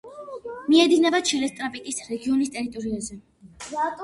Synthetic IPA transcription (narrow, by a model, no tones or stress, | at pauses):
miɛd̪inɛbat͡ʃʰilɛst̪ʼɾapʼikʼisɾɛɡiɔnist̪ʼɛɾit̪ʼɔɾiazɛ